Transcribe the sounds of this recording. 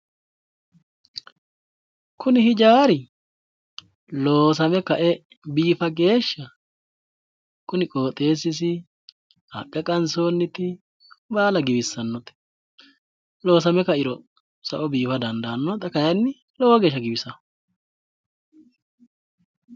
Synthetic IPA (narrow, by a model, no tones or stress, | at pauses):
kʰʊnɪhɪd͡ʒaːɾɪ | loːs̬ɐmɛkɐʔɛ | biːfɐɡe̞ːʃːɐ | kʊnɪkʼo̞ːt̪ʼe̞ːsɪs̬ɪ | hɐ̰pʼːɛkʼɐnso̞ːnːɪt̪ɪ | baːlɐɡɪbɪsːɐnːɔt̪ɛ̥ | lo̞ːsɐmɛkɐɪɾɔ | sɐʔɔbiːfɐd̪ɐnd̪ɐnːɔt̪ɐkɐjɐnːɪ | lɔwɔɡeːʃːɐɡɪbɪsɐ